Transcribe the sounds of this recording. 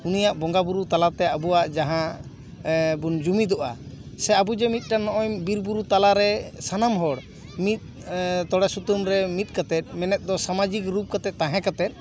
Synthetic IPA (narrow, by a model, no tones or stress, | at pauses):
unijaʔbɔŋɡabuɾut̪alat̪ɛabuwaʔd͡ʒaɦã | bund͡ʒumid̪ɔʔasɛabud͡ʒɛmit̪̚ˀʈanɔʔɔjbiɾbuɾut̪alaɾɛsanamɦɔɽ | mit̪̚ | t̪ɔɽasut̪umɾɛmit̪̚ˀkat̪ɛt̪̚ˀmɛnɛt̪̚d̪ɔsamad͡ʒikɾup̚kat̪ɛt̪̚ːãɦɛ̃kat̪ɛt̪̚ˀ